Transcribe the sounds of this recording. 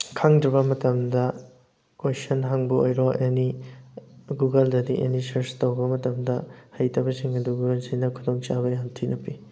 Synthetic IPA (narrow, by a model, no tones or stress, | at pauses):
kʰaŋdɾibɐmɐtɐmdɐ | kojsɐnɦaŋbɐo̰jɾɔʔeni | ɡuɡɐldɐdiʔḛnisɐɾstowbɐmɐtɐmdɐhɐjtʰɐbɐsiŋɐduɡuɐsinɐkʰudoŋt͡ʃabɐniantʰinʔɐpi